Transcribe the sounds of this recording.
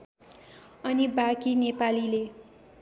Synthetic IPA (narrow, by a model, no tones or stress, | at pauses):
ʌnibakinepalile